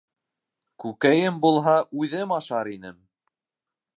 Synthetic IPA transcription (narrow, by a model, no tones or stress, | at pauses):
kʉkæjɘmbulˠɦɑʔujðɘmɑʃɑɾin̪ɘm